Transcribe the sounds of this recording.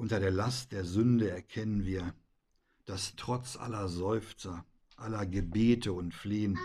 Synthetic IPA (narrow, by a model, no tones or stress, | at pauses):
ʔʊntɐɾeːɐlastd̥eːɐzʏndəɛɐkʰɛnənviːɐ | d̥astʁ̥ɔt͡sʔa̰lɐzɔʏft͡sɐ | ʔalɐɡəbeːtəʊntfleːən